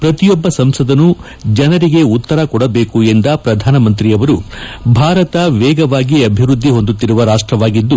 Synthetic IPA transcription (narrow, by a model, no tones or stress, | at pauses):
pɾɐt̪ijɔbːɐsɐmsɐd̪ɐnːu | d͡ʒɐnɐɾiɡe̞ut̪ːɐɾɐkɔɽɐbe̞ːkuend̪ɐpɾɐd̪ʱaːnɐmɐnt̪ɾijɐʋɐɾubʱaːɾɐt̪ɐʋɛːɡɐʋaːɡiɐbʱiɾud̪ʱːiɦo̞nd̪ut̪ːiɾuʋɐɾaːʂʈɾɐʋaːɡid̪ːu